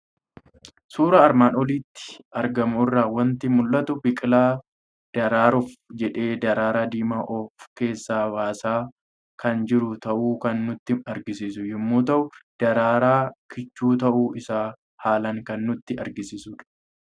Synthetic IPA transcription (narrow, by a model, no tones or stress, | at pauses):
suːɾɐːɾmaːnɔliːt̪ːɪ̥ʔɐɾɡɐmʊɪrːaːwɐnt̪ɪmʊlːɐt̪ʊbɪkʼɪlaː | d̪̥ɐɾaːɾʊfd͡ʒɛᶑe̞ːd̪ɐɾaːɾaːd̪iːmaːʔɔfke̞ːsːaːbaːsaː | kɐnd͡ʒɪɾʊt̪ɐʔuːkɐnːʊt̪ːɪɐɾɡɪs̬iːs̬ʊjɪmːoːt̪ɐʔʊd̪̥ɐɾaːɾaːkʰɪt͡ʃːuːt̪ɐʔuːɪsaː | haːlɐŋkɐnːʊt̪ːɪɐɾɡɪsiːsʊᶑɐ̥